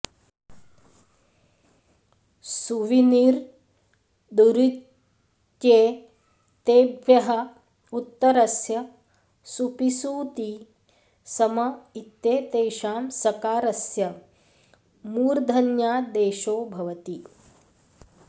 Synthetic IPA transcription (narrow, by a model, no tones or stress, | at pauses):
suʋiniɾ | d̪uɾit | t̪jeː | t̪eːbʋjɐɦɐ | ut̪ːɐɾɐsjɐ | supisuːt̪i | sɐmɐit̪jeːt̪eːʃaːmsɐkaːɾɐsjɐ | muːɾd̪ʱɐnjaːd̪eːʃoːbʱɐʋɐt̪i